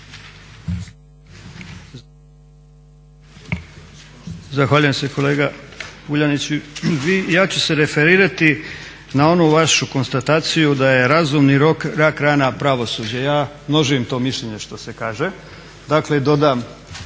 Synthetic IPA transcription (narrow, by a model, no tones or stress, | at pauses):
zaxʋaːʎuje̞mse̞ko̞le̞ːɡauʎanit͡ɕiʋijaːt͡ɕu̥se̞ɾe̞fe̞ɾiːɾat̪i | nao̞nuʋaʃuko̞nst̪at̪aːt̪sijud̪aje̞ɾazumniɾo̞kɾakɾaːnapɾaʋo̞sud͡ʑajaːmno̞ʒijemt̪o̞ːmiʃʎeɲe̞ʃt̪o̞se̞kaːʒe̞ | d̪akle̞d̪o̞d̪aːm